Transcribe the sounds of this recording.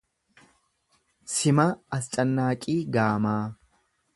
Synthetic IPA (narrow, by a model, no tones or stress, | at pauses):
sɪmɐɐst͡ʃʼɐnːaːkʼiːɡaːmaː